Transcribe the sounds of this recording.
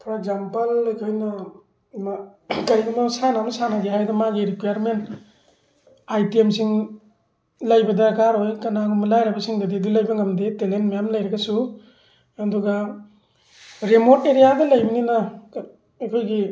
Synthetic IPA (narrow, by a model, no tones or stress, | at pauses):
pʰɾeɡzampɐlɐjkʰojnɐ | makɐɾiɡɐmɐsanamɐsanaɡeɦajdɐmaɡiɾikjaɾment | ajtiemsiŋ | lɐjbɐdɐkaɾojkɐnaŋumɐlajɾɐbɐsiŋdɐdidilɐjbɐŋɐmdetelentmajamlɐjɾɐɡasu | aduɡa | ɾemoɾteɾijadɐlɐjbininɐ | ɐjkʰojɡi